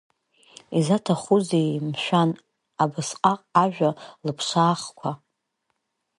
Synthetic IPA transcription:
izatʰaχuzejmʃᶣan | abɨsqʼaqʼaʒᶣalɨpʰʂʷaːχkʷʰa

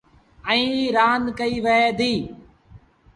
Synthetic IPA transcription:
əĩːɾaːnkəiːʋəeːd̪iː

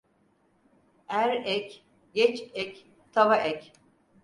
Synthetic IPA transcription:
æɾɛc | ɟɛt͡ʃɛc | t̪ʰavaʔɛc

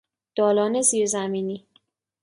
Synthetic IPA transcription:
d̪̥ɒːlɒːneziːɾzæmiːniː

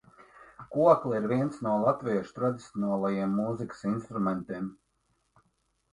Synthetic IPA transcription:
kuɔklˠiɾviɛnt̪snuɔlˠat̪viʃt̪ɾad̪ʲit̪sʲoɔnaːlˠajiɛmːuzikɨ̥sinst̪ɾumɛnt̪im

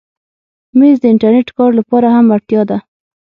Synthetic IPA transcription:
mezd̪əɪɳʈaɾneʈkɑɾlapɑɾahamat̪jɑd̪a

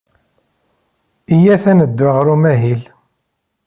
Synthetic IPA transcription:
ijæθænəd̪ːaʁɾumæɦil

